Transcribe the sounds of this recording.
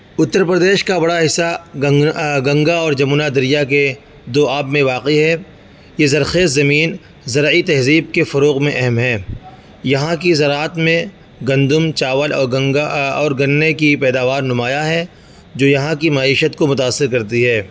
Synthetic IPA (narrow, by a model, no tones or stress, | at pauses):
ʊt̪ːəɾpɾəd̪eːʃkabɐɽaɦɪsːa | ɡɐ̃ŋɡaɔːɾd͡ʒɐmuːnad̪ɐɾɪjake | d̪oːaːbmẽʋaːqiɦɛ | jezɐɾxeːszɐmiːn | zɐɾit̪ɛɦziːb̚kefɐɾoːqmẽʔɛɦɛmɦɛː | jɐɦãkizɐɾaːət̪mẽ | ɡɐ̃nd̪ʊmt͡ʃaːʋəlɔ̰ː | ɔːɾɡɐnːekipɛːd̪aːʋaːɾnʊmaːjaɦɛ | d͡ʒoːjɐɦãkimaiːʃət̪komʊt̪aːsːɪɾkɐɾt̪iɦɛː